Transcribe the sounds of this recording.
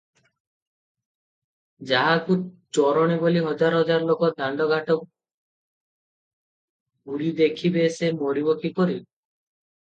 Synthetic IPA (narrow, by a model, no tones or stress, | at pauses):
d͡ʒaɦakut͡ʃɔɾɔɽ̃iboliɦɔd͡ʒaɾɔɦɔd͡ʒaɾɔlokɔd̪ʱaɳɖɔɡʱaʈɔ | ɡuɾid̪ekʰibesemoɾibɔkikɔɾib